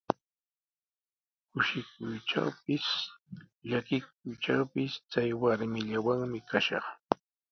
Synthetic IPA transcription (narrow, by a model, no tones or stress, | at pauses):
kʊʃɪk̚ʊjʈ͡ʂa̰wpɪs | ʎakɪk̚ʊjʈ͡ʂawpɪst͡sajwaɾmɪʎawaŋmɪkaʃɑ̰χ